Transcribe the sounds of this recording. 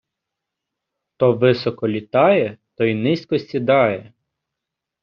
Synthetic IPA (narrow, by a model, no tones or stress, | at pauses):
t̪ɔʋɪsɔkɔlʲit̪ɑjɛt̪ɔinɪsʲkɔsʲtʲid̪ɑjɛ